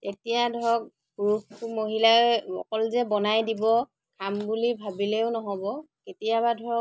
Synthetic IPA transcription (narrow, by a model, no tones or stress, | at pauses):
tetijadʱɔk̚ | bukumoɦilaɔ̰kɔlzɛbɔnajdibɔ | kʰambulibʱabilɛʊnɔɦɔbɔ | ketijabadʱɔ